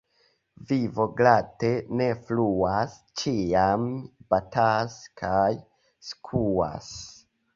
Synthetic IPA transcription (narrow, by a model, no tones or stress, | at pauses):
vivo̞ɡlatene̞fluast͡ʃiamb̥ataskʰaj | skʰua̰s